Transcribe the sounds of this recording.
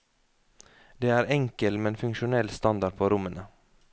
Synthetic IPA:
d̪eːæːɾɛŋkəlmɛnfʉŋʃʊnɛlst̪ɑnd̪ɑɾpʰoːɾʊmənə

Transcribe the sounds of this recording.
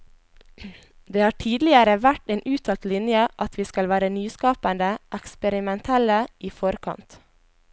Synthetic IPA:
d̪eːhɑːʈʰiːd̪lɪəɾəʋæʈeːnʔʉːt̪ʰɑːlt̪lɪnjəʔɑt̪ʋiːskɑlʋæːɾənyːskɑːpənd̪əʔɛkspəɾɪmɛnt̪ʰɛləʔiːfɔɾkʰɑ̰nt̪

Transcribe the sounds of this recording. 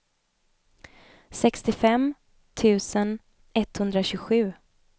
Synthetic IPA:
sɛkst̪ɪfɛm | t̪ʰʉ̟ːsən | ɛt̪hɵnd̪ɾaɕʉɡɧʉ̟ː

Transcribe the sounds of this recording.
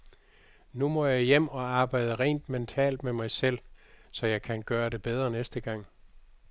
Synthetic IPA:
numɒ̽jɑɪjem̰ɒ̽ɑ̈ːb̥ɑ̈ɪ̰d̥əʁɛ̰ːnd̥ment͡sʰɛ̰ːld̥memɑ̈ɪsel̰sɒ̽jɑ̈ɪkʰænɡ̥ɶːɐɾe̝b̥eð̞ˠʁɐnesd̥əɡ̥ɑ̈ŋ̰

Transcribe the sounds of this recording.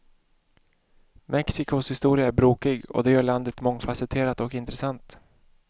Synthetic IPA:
mʔɛksɪkʊshɪst̪uːɾɪaæɾbɾoːkɪɡɔ̰d̪ɛjœːɭand̪ət̪mɔŋːfasɛt̪ʰeːɾat̪ɔkɪnt̪ɾɛsant̪

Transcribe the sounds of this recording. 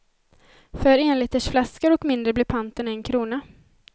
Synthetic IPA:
fœɾeːnlɪːt̪əʂflaskəɾɔkmɪnd̪ɾəblɪɾpʰant̪ənɛnkʰɾuːna

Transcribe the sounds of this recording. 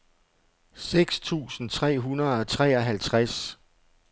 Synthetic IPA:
seɡ̥st͡sʰṵːsn̩t͡sʰʁɛ̰ːɦunɐð̩ˠɒ̽t͡sʰʁɛ̰ːɒɦælt͡sʰʁas

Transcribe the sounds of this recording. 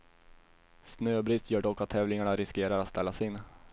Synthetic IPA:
snøːbɾɪst̪jœːɖɔkːat̪ʰːɛːvlɪŋaɳaɾɪskeːɾaɾat̪st̪ɛlːasɪnː

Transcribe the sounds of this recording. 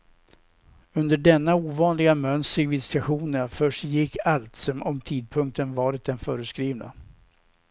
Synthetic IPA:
ɵnd̪əɖɛnːauːvɑːnlɪɡamœnsɾɪvɪd̪st̪aɧuːnəfœʂjɪkʰːalt̪sɔmʔɔmt̪ʰiːd̪̚pʰɵŋk̚t̪ənvɑːɾɪt̪̚d̪ɛnfœːɾəskɾiːvna̰

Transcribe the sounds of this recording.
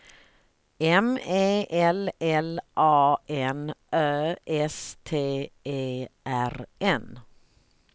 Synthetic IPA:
ɛmeːʔɛlɛlʔɑːʔɛnʔøːʔɛst̪ʰeːʔeːʔæɾʔɛn

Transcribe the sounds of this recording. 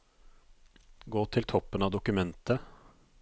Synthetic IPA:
ɡoːt̪ʰɪlt̪ʰɔpːənɑːʋd̪ʊkʉmɛnt̪ʰə

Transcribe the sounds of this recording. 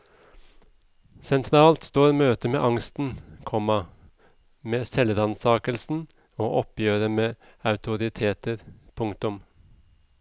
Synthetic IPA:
sɛnt̪ʰɾɑːlt̪st̪oːɾmøːt̪əmḛːʔɑŋst̪n̩kʰɔmɑ | meːsɛlɾɑnsɑːkəlsn̩ | oːʔɔpjøːɾəmeː | ɑʉt̪ʰʊɾɪt̪ʰeːt̪əɾpʰʊŋt̪ʊm

